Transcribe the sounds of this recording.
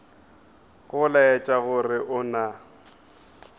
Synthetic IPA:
ɣʊlaɛt͡ʃʼaɣʊrɪʔʊna

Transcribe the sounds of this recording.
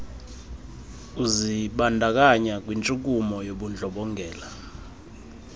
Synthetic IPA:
uziɓandʱak̬aɲak̬ʼwint͡ʃʼuk̬umɔjoɓund͡ɮʱɔɓɔŋɡʱɛːla

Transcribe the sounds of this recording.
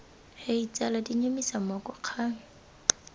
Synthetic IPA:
heit͡sʼaladiɲomisamɔkɔq͡χʰa

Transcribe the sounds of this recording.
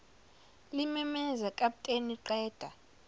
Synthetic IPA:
limɛmɛzakʼaɓtʼeniǃɛːd̥ʱa

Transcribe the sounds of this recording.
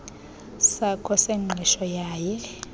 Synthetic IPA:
sakʰɔseŋ͡ǃʱiʃɔjaːjɛ

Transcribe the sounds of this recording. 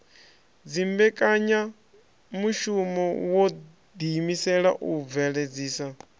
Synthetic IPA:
d͡zimbɛkʼaɲa | muʃumɔwɔ | d̪imisɛɺaʔuvɛɺed͡ziːsa

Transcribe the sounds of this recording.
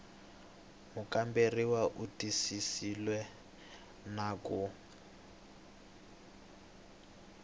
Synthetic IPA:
mukʼamberiwaʔutʼisisilwɛ | nakʼu

